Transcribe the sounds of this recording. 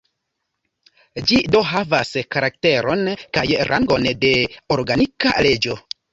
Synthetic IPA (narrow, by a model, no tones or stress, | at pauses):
d͡ʒido̞ɦavaskaɾak̚te̞ɾo̞nkajɾʔa̰ŋɡo̞nde̞oɾɡanika̰le̞d͡ʒo̞